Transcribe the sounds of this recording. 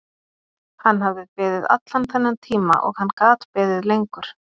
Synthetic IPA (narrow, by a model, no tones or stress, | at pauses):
hanːhavðɪðpɪːðɪða̰t̪lanθɛnːant̪ʰiːma̰ʔɔ̰ɣhanːkaːt̪pɪːðɪðlejŋkʏɾ̥